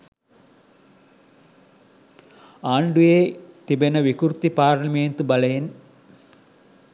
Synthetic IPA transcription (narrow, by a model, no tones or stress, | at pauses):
aːɳɖujeːt̪ibenəʋikuɾt̪ipaːɾnɐmeːnt̪ubɐlɐjen